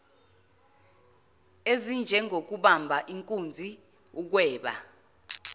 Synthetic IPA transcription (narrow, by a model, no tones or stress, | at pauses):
ezind͡ʒʱɛŋʱok̬uɓambʱaʔiŋkʼund͡zʱi | uk̬wɛːɓa̰